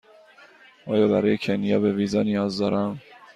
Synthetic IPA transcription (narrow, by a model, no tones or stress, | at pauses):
ʔɒːjɒːbæɾɒːjecʰenijɒːbeviːzɒːnijɒːzd̪ɒːɾʔæm